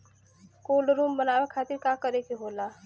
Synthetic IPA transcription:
kolɾumbənabekʰat̪iɾkakəɾekeɦola

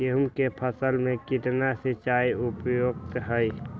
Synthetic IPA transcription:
eɦʊmkepʰəsəlmẽkɪʈnasit͡ʃaiupjoːɡ̚t̪ɦəj

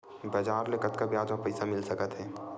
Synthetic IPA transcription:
bɐd͡ʒaːɾlekət̪kabɪjaːd͡ʒmãpəːsamɪlsɐkət̪ɦɛː

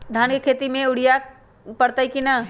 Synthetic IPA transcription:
d̪ʱankekʰet̪imẽʊɽ̤ija | pəɽt̪əjkina

